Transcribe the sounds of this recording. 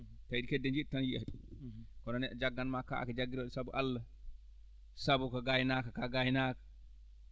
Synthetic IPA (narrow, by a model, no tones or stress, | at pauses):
taidikɛdːɛnd͡ʒitːanjiʔaɗkɔnanɛd͡ʒaɡːanmaka̰ʔa̰kɛd͡ʒaɡːiɾɔɗsabuʔalːa | sabukaɡajnaːkakaɡajnakḁ